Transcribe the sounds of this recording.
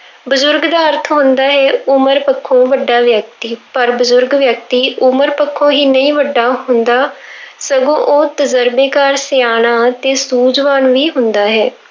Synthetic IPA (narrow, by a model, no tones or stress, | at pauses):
bʊzʊɾɡd̪aːəɾt̪ʰɦʊ̃nd̪aːɦɛːʊməɾpəkʰːõːʋəɖːaːʋjək̚t̪iːpəɾbʊzʊɾɡʋjək̚t̪iːʔʊməɾpəkʰːõːɦiːnəĩːʋəɖːaːɦʊnd̪aːsəɡõːʔoːt̪əzəɾbeːkaːɾsɪjaːnaːt̪eːsuːd͡ʒʋaːnʋiːɦʊnd̪aːɦɛː